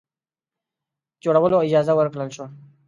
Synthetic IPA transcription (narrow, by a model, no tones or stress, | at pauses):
d͡ʒoɽawəloɪd͡ʒɑzawəɾkɽəlʃo